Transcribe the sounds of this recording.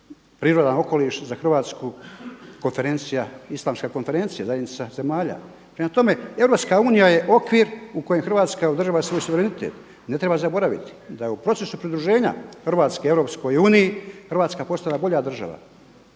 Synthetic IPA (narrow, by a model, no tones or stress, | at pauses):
pɾiːɾo̞d̪ano̞ko̞liːʃzaxr̩ʋaːt̪skuko̞nfe̞ɾe̞nt̪sijaislˠaːmskako̞nfe̞ɾe̞nt̪sijazajed̪nit̪saze̞maːʎa̰ | pɾemat̪o̞me̞e̞vɾo̞ːpskauːnijaje̞ʔo̞kʋiːɾuko̞jemxrʋaːt̪skaod̪r̩ʒaːʋasʋo̞ːjsuʋe̞ɾenit̪eːt̪ | ne̞t̪ɾe̞bazabo̞ɾaʋḭt̪i̥d̪ajupɾo̞tse̞supɾid̪ɾuʒe̞ːɲa̰xrʋaːt̪skeeɾo̞psko̞juːnijixrʋaːt̪skapo̞st̪alabo̞ʎad̪r̩ʒa̰ʋa̰